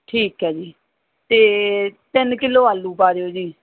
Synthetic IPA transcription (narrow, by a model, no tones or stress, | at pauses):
ʈʰiːkɦɛːd͡ʒiː | t̪eːt̪ɪnkɪlːoːaːlːuːpaːɾeːoːd͡ʒiː